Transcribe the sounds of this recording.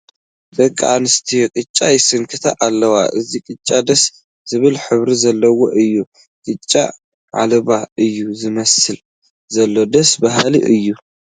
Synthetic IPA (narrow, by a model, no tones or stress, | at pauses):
bɐkʼːaanɨst̪ʰikʼɨt͡ʃʼːajɪsɨŋkʰɨt̪ʰaʔalːɐwa̰ʔɨzikʼɨt͡ʃʼːad̪ɐs | z̥ɨβɨlħɨβɾizɐlːɐwo̞ʔɨjːu | kʼɨt͡ʃʼːa̰ | ʕa̰lɐβaɨjːuzɨmɐsɨl | zɐlːo̞d̪ɐsbaɦlḭʔɨjːu